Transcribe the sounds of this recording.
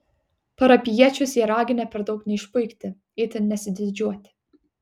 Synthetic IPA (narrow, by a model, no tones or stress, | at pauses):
pɐɾɐpʲɪjiɛt͡ʃʲʊsjiːɾɑːɡʲɪnʲɛpʲɛɾd̪ɒʊknʲɛɪʃpʊɪkt̪ʲɪ | ɪːt̪ʲɪnnʲɛsʲɪd̪ʲɪd͡ʒʲuɔt̪ʲɪ̥